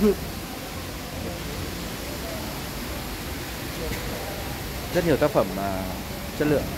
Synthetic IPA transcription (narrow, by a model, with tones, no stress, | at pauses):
ɨ˧˨əŋ | zə˦˥t̚ɲi˨˩t̪a˦˥k̚fə˧˩mːa˨˩ | t͡ɕə˦˥t̚lɨ̰˧˨əŋ